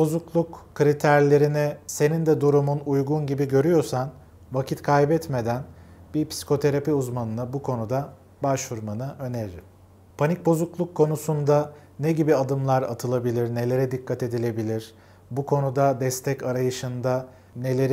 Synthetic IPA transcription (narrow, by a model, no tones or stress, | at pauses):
bo̞zuklˠukkʰːɾit̪ʰæɾlʲe̞ɾinɛse̞nind̪ɛd̪uɾumunujɡunɟibiɟøɾyjo̞ɾsan | vacʰit̪kʰajbɛt̪me̞d̪ænbiɾpʰsi̥kʰo̞t̪ʰe̞ɾapiuzmanɯnabukʰo̞nud̪a | baʃvuɾmanɯʔø̞neɾɪ | pʰanic̚bo̞zuklˠukʰːo̞nusund̪a | nɛɟibiad̪ɯmlˠaɾa̰t̪ʰɯlˠabilʲiɾne̞lʲe̞ɾɛd̪ikʰːat̪e̞d̪ilʲe̞bilʲiɾ̥ | bukʰo̞nud̪ad̪ɛst̪ʰɛcaɾajɯʃɯnd̪a | ne̞lʲe̞ɾ